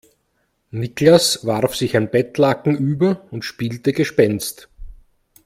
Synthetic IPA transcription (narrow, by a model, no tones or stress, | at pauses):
nɪklasvaʁfsɪçaɪnb̥ɛtlakŋ̩ʔyːbɐʊntʃpiːltəɡəʃpɛnst